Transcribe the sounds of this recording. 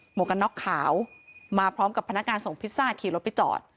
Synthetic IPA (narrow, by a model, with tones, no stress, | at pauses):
moː˨˩ka˧nːɔ˦˥kʰːaː˩˦wmaː˧pʰɾɔː˦˥mka˨˩pʰːa˧nːa˦˥kŋaː˧nso˨˩ŋpʰi˦˥t̪̚saː˥˩t̪̚kʰiː˧lo˦˥pʰi˦˥t̪̚t͡ɕɔ̰ː˨˩t̪̚